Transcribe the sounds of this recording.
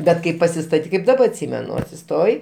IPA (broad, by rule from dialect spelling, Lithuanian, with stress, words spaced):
ˈbʲɛt kɐɪ pɐsʲɪstɐˈtʲiːk kɐɪp dɐˈbɐ ɐtʲˈsʲiːmʲɛnʊ ɐtʲsʲɪˈstoːjɪ